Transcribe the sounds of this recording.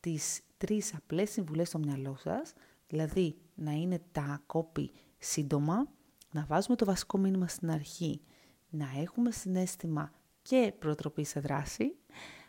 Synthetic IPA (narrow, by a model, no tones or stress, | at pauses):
t̪ist̪ɾisɐple̞siɱvule̞st̪o̞mɲɐlo̞sɐ̰s | ðilɐði | nɐine̞t̪ɐko̞pḭ | sind̪o̞mɐ | nɐvɐzume̞t̪o̞vɐsi̥ko̞minimɐst̪inɐɾçi | nɐe̞xume̞sine̞st̪imɐ | ce̞pɾo̞t̪ɾo̞piseðɾɐsi